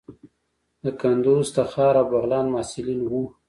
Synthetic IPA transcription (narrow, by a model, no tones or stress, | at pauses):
d̪əkand̪ozd̪əxɑɾawbaɣlɑːnmɑːsɪlinwu